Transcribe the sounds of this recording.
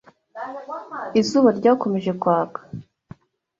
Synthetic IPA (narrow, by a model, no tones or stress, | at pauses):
izuβaɾɟaːko̞me̞ʒe̞kwaːɡḁ